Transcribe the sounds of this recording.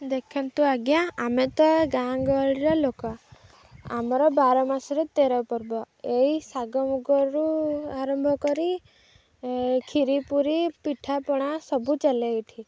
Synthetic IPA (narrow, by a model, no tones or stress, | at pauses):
d̪ekʰant̪uaɡjãamet̪ɔɡãŋɡɔɭiɾɔlokɔ | a̰mɔɾɔbaɾɔmasɔɾet̪eɾɔpɔɾbɔ | eisaɡɔmuɡɔɾuaɾɔmbʱɔkɔɾi | kʰiɾipuɾipiʈʰapɔɽ̃asɔbut͡ʃalejʈʰi